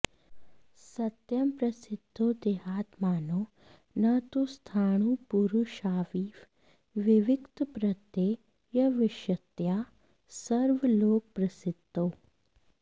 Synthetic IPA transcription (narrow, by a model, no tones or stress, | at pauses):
sɐt̪jɐmpɾɐsɪd̪ʱːoːd̪eːɦaːt̪maːnoː | nɐt̪ust̪ʰaːɳ̃upuɾuʃaːʋiːʋ | ʋɪʋɪkt̪pɾɐt̪jeː | jɐʋɪʃjɐt̪jaː | sɐɾʋəloːk̚pɾɐsɪd̪ʱoː